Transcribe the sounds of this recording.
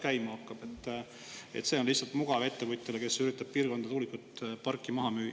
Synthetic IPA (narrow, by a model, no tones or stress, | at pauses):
kæjmɑɑkːˑɑb̥e̞t̪ːˑ | et̪se̞ːo̞nlihsɑlt̪muɡ̥ɑve̞t̪ːevujt̪ʲːˑeleke̞syɾit̪ːˑɑb̥̚piːɾrɡ̥ko̞nd̪̥ɑt̪uːlikut̪ːpɑrkːˑimɑɦɑmyː